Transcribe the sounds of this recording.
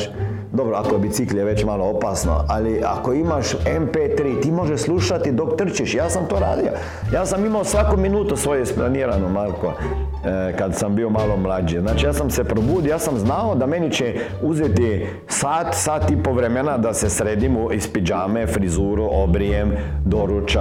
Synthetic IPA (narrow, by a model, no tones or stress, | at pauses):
d̪obɾoakobit̪sikljeʋet͡ɕmaːloopasno̰alia̰ko̞imaʃempet̪ɾiːt̪imo̞ʒeʃslˠuʃat̪id̪o̞kt̪r̩t͡ʃiʃjaːsamt̪oːɾa̰ːd̪io̰ | jaːsamimaosʋakominuːt̪usʋo̞jeisplaniːɾanomaɾko | kad̪sambiomaːlˠomlad͡ʒiznaːt͡ʃijaːsamsepɾobuːd̪iojaːsamznaod̪amenit͡ʃɛ | uzet̪i | saːt̪saːt̪ipoʋɾemenad̪asesɾeːd̪imuispid͡ʒaːmefɾizuːɾuʔobɾijem | d̪oɾut͡ʃa